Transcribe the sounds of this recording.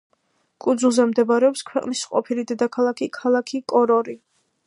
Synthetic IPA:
kʼud̪zulˠzɛmd̪ɛbaɾɛɔpskʰwɛqʼnisqʼɔpʰilid̪ɛd̪akʰalˠakʰikʰalˠakʰikʼɔɾɔɾi

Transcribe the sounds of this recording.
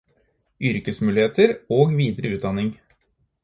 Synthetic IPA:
ʔʏɾkəsmʉːlɪheːt̪əɾoːɡʋiːd̪ɾəʉːt̪̚d̪ɑnɪŋ

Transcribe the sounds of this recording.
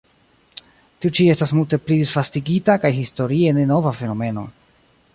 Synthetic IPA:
tiut͡ʃie̞stasmulte̞plidisfastiɡitakajɦisto̞ɾie̞ne̞no̞vafe̞no̞me̞no̞̰

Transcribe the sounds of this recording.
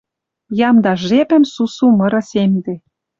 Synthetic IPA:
jɑmd̪ɑʒepə̆msusumɤ̆ɾɤ̆semd̪e

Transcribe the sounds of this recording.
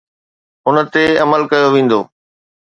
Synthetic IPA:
ʊnət̪eɐməlkɐjoʋẽːn̆d̪oː

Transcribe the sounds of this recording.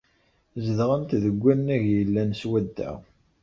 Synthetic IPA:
zəðʁənt̪ðəɡʷːænːæʝjəlːænswæd̪ːæ̰ʁ

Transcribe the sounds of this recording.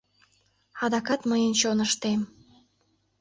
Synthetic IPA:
ɑd̪ɑkɑt̪məjənt͡ɕonəʃt̪em

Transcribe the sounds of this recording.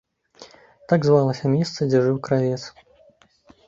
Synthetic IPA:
t̪aɡzvalˠɐsʲɐmʲɛst̪sɐd͡zʲɛʐɨwkɾavʲɛt̪s

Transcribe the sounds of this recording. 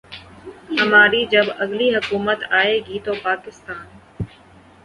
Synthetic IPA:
ɦɐmaːɾiːd͡ʑɐbɐɡliɦʊkuːmət̪aːeːɡiːt̪oːpaːkɪst̪aːn

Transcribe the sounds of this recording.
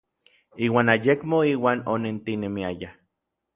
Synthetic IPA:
iːwaːnajekmoiːwaːnonent̪inemiaja

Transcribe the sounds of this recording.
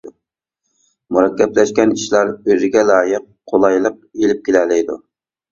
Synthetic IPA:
muɾɑkʲːɛplɛʃkʲɛniʃlˠɑɾøzɪɡʲɛlɑːjəq̚ːʰolˠɑjlˠəq̚elɪp̚kʲʰelɛlɪjd̪ṵ

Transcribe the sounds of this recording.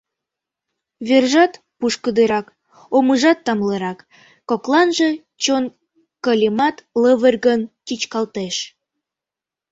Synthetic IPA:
βerʒɑt̪ | puʃkəd̪eɾɑk | oməʒɑt̪ːɑmleɾɑkː | oklˠɑnʒe | t͡ɕon | kəlʲimɑt̪ləβərʲɣəntʲit͡ɕkɑlt̪eʃ

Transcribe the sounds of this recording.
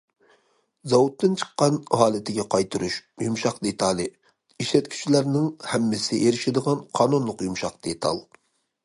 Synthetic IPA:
zɑwut̪ːɨnt͡ʃʰə̥qːɑnhɑːlˠɪt̪ʰɪɡʲɛqʰɑjt̪ʰɨɾuʃjumʃɑqd̪et̪ʰɑlˠɨ | iʃlɛt̪kʲʰy̥t͡ʃʰilæɾnɪŋhɛmːɪsɪʔeɾɪʃɪd̪əʁɑnqʰɑːnunlˠʊqjumʃɑqd̪̥et̪ʰɑ̰lˠ

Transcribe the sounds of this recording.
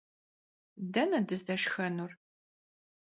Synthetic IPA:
dɐnɐdɨzdɐʃxɐnuːr

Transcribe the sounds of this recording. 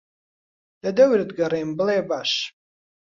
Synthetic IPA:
d̥adɐɥrdɡaɾajmbɨlejbaʃ

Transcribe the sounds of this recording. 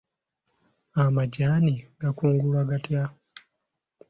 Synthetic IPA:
amaɟaːniɡakuːŋɡulwaɡatja

